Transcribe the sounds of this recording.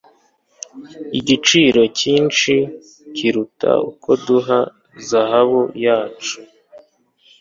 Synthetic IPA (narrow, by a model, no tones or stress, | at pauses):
iɟit͡ʃiːɾo̞ciːnt͡ʃi | ciɾutʰa̰ukʰo̞duɦa | zahaβujaːt͡ʃu̥